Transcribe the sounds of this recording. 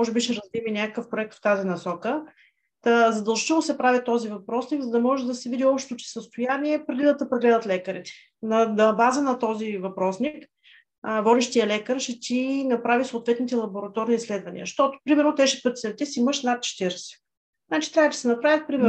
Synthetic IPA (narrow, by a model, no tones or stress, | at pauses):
mɔʒɛbiʃɛɾɐzd̪iminʲakəkəfpɾoɛk̚t̪ft̪azinɐsɔkə | t̪əzɐd̪ɐlˠʒi̥t̪ɛlˠnosɛpɾavit̪ɔzivɐpɾɔsniɡzɐd̪ɐmɔʒɛd̪ɐsɛvid̪iɔpʃt̪ɛ̥t̪ot͡ʃɛ̥səst̪ojaniɛpɾɛd̪id̪ˠɐt̪əpɾɛɡlɛd̪ət̪lɛkəɾit̪ɛ̥ | nɐnɐbazənɐt̪ɔzivɐpɾɔsnikː | vɔd̪ɛʃt̪iəlɛkəɾʃɛt̪inɐpɾavisoːt̪vɛt̪nit̪ɛlˠɐboɾɐt̪ɔɾniːslɛd̪vɐnḭəʃt̪ɔt̪o̥pɾimɛɾnot̪ɛʃɛ̥pɤt̪ʲi̥sɛt̪ɛsiiməʃnat̪̚t͡ʃɛ̥t̪iɾɛsɛ̥ | znat͡ʃit̪ɾʲavəd̪ɐ̥sɛnɐpɾavʲət̪̚pɾimɛ